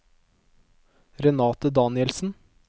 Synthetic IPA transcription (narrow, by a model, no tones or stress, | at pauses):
ɾɛnɑːt̪əd̪ɑːnɪɛlsn̩